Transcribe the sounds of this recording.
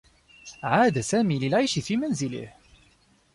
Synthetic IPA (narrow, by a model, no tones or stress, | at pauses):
ʕaːd̪asaːmiːlɪlʕajʃɪfiːmanzɪlɪ̰h